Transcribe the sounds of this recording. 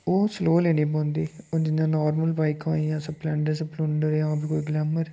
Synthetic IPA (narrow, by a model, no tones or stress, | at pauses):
oːsloːleːniːpõːnd̪iːoːd͡ʒɪnːãːnaːɾməlbaːɪkãːiãːsəbplɛ̃ɳɖẽsəplʊɳɖəɾjãbɪkoːiɡlɛːməɾ